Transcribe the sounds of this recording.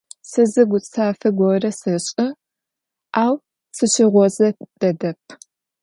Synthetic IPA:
sɨzɨɡʷʊt͡sʼʰaːfɐɡʷɔrɐsɨɕʼɪ | aːw | sɨɕɪʁʷɔzɐd̥ɐdɐp̚ʰ

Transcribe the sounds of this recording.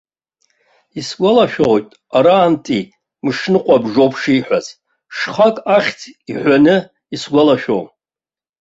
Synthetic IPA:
isɡʷalaʃᶣowtʼ | aɾaːntʼi | mɨʂnɨqʷʼabʐowpʰʂijħʷᶣaztʼ | ʂχakʼaχʲt͡sʰiħʷᶣanɨ | isɡʷalaʃᶣo̰w

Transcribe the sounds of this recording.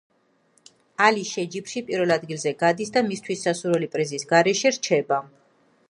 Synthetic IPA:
aliʃɛd͡ʒipʃipʼiɾvɛlˠad̪ɡilˠzɛɡad̪isd̪amist̪ʰwisːasuɾɛlipʼɾizisɡaɾɛʃɛɾt͡ʃʰɛba

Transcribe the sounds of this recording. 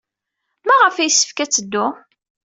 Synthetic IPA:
mæʁəfæjsːə̥fkæt͡sːəd̪ːʊ

